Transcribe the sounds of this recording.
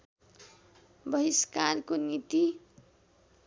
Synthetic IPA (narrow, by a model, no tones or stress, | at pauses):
bʌɦiskarkonit̪i